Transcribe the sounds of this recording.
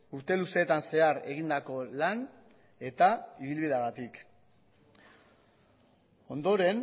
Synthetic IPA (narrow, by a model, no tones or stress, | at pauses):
uɾt̪e̞luse̞ːt̪anse̞aɾe̞ɣind̪ako̞lan | e̞t̪aiβilβiðeaɣat̪ik | o̞nd̪o̞ɾe̞n